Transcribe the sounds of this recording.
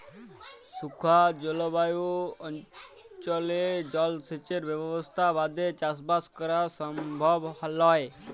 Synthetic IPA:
sukʰad͡ʒɔlobajuɔn | t͡ʃɔled͡ʑɔlset͡ʃeɾbɛbbɔst̪ʰabad̪ʱet͡ʃasbaskɔɾasɔmbʱɔbhlɔe

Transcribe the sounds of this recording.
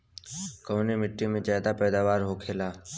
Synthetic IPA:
kəːneːmɪʈːiːmẽːt͡ʃaːd̪aːpɛːd̪aːʋaːɾɦoːkʰeːlaː

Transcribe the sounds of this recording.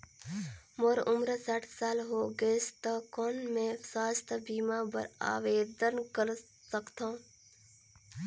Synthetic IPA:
moɾʊmɾəsaʈʰsaːlɦoːɡest̪akoːnmẽsaːst̪ʰbiːmabə̰ɾa̰ːʋeːd̪ənkəɾ | səkt̪ã

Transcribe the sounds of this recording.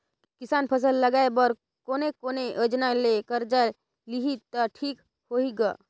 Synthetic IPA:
kɪsaːnpʰəs̬əlːəɡaebəɾ | koːnekoːneʔəd͡ʒnalekəɾd͡ʒa | liɦit̪aʈʰiːk | hoːiɡa̰ː

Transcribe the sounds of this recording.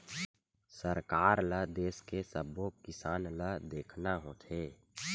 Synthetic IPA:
səɾkaːɾləd̪eːskesəbokɪsaːnləd̪eːkʰnaɦõt̪ʰeː

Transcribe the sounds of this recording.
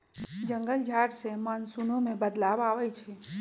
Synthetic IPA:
d͡ʒə̃ŋɡəld͡ʒʱaːʈsemaːnsunõmẽbəd̪laːbaːʋəit͡ʃʰe

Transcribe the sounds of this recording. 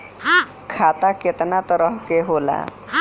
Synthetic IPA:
kʰaːt̪akɪt̪nat̪əɾəɦkeɦoːla̰

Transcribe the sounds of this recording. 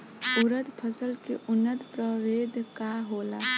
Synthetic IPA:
ʊɾət̪pʰəsəlkeʔʊnːət̪pɾəʋeːd̪ʱkaɦoːlaː

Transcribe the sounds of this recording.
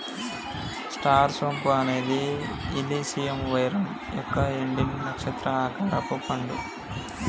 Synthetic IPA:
sʈaːɾsompuɐne̞ːd̪iːlisijemʋɐjɾɐm | jɔkːɐiɳɖinnɐkʂɐt̪ɾɐakɐɾɐpupɐɳɖu

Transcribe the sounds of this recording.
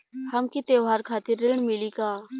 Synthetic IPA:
həmkit̪eːʋaːɾkʰaːt̪ɪɾːɪɳmɪliːkaː

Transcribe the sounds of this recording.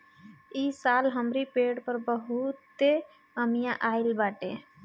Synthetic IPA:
isalɦəmɾipeɽpəɾbəɦut̪ːe | əmijãʔaɪlbaʈe

